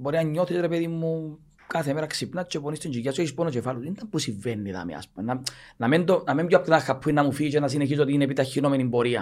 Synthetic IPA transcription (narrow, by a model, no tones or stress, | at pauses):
boɾinɐɲːoθisɾepeðimːu | kaθemeɾɐksipnat͡ʃeponist̪iɲd͡ʒijasueisponot͡ʃefalusind̪ɐmbusiɱvenːiða̰mḭa̰spuna | nɐmend̪onɐmemɟɐpt̪inaxːapʰːuinːɐmufit͡ʃenɐs̬ineçis̬ot̪inepit̪açːinomenimboɾiɐ̰